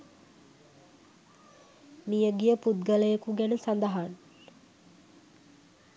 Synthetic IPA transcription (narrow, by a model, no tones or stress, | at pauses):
mijəɡijəput̪̚ɡələjəkuɡænəsand̪əɦan